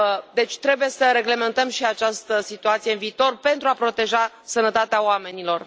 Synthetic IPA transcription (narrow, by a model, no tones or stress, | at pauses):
d̪e̞t͡ʃʲt̪ɾe̞buje̞səɾe̞ɡle̞me̞nt̪əmʃiat͡ʃast̪əsit̪uat̪sijeɨnviːt̪o̞rpe̞nt̪ɾuapɾo̞t̪e̞ʒa | sənət̪at̪eaoame̞nilo̞r